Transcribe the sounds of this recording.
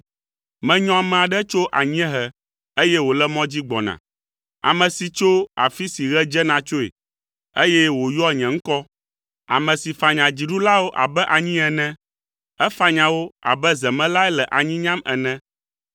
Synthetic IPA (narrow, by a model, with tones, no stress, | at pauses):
mɛ̃˨ɲɔ̃˦a˨mɛ̃˨a˨ɖɛ˦t͡ʃo˦ʔa̰˨ɲĩ˦ɛ̃˦ɦɛ˨ | e˦jɛ˦wo˨lɛ˦mɔ̃˦d͡ʑi˦ɡ͡bɔ̰˨nã̰˨ | a̰˨mɛ̃˨si˨t͡ʃo˦a̰˨fi˦si˨ɣɛ˦d͡ʒɛ˦nã˨t͡ʃo˦ḛ˨ | e˦jɛ˦wo˨jɔ˦˨ɲɛ̃˨ŋ̩˦kɔ˦ | a̰˨mɛ̃˨si˨fa˨ɲã˨d͡ʑi˨ɖu˦la˦wo˦ʔa̰˨bɛ˦ʔa˨ɲĩ˦ɛ˨nɛ̃˦ | ɛ˦fa˦ɲã˨wo˦a̰˨bɛ˦zɛ˨mɛ̃˦la˦ɛ˦lɛ˨ʔa˨ɲĩ˦ɲã˦mɛ̰˨nɛ̃˦